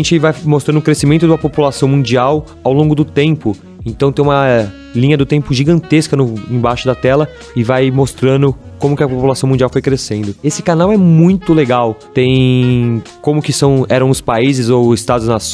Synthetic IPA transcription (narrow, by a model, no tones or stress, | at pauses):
ẽt͡ʃɪvajmost̪ɾɐ̃nd̪ʊkɾesimẽnt̪ʊd̪ɐpopulasɐ̃w̃mũd͡ʒiaw | awlõŋɡʊd̪ʊt̪ẽmpʊ | ẽnt̪ɐ̃w̃t̪ẽj̃ũmɐ | lĩɲɐd̪ʊt̪ẽmpʊʒiɡɐ̃nt̪eskɐnʊẽj̃bajʃʊd̪ɐt̪ɛlɐ | ɪvajmost̪ɾɐ̃nd̪ʊ | kõmʊkɪɐpopulasɐ̃w̃mũd͡ʒiawfojkɾesẽnd̪ʊesɪ̥kanawɛmũj̃t̪ʊleɡawt̪ẽj̃ | kõmʊkɪsɐ̃w̃ɛɾɐ̃w̃ʊspaizɪzowɪst̪ad̪ʊznɐs